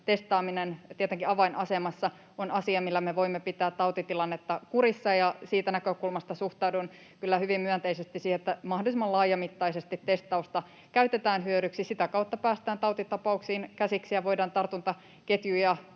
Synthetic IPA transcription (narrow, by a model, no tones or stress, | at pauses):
t̪est̪ˑɑːminent̪iɛæt̪eŋkiɑʋɑinʔɑsemɑsːɑ | onɑsiɑmilːæmeʋoimːepit̪æːt̪t̪ɑut̪it̪ilɑnːet̪ːɑkuɾisːɑjɑsiːt̪ænækøkulmɑst̪ɑsuht̪ɑudun | kylːæhyʋimmyønt̪eisest̪isiːhet̪ːæmɑhdolisimɑlɑːjɑmit̪ːɑisest̪it̪ːe̞st̪ˑɑust̪ɑ | kæyt̪et̪æːnɦyøɾyksisit̪ækɑut̪ːɑpæːst̪æːnt̪ɑut̪it̪ɑpɑuksiːnkæsiksijɑʋoidɑːnt̪ɑrt̪unt̪ɑ | ket̪jujɑ